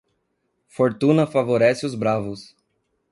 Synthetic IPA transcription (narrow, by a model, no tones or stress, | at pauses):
foɾt̪ũnɐfavoɾɛsɪʊzbɾavʊs